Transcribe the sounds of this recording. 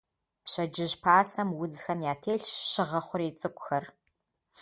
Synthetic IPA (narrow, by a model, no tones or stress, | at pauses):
pɕɐd͡ʒɪʑpʰaːsɐmwʊd͡zxɐmjaːtʰeːɬʃɪʁɐχʷʊɾeːt͡sʼɨkʷʼʊxɐr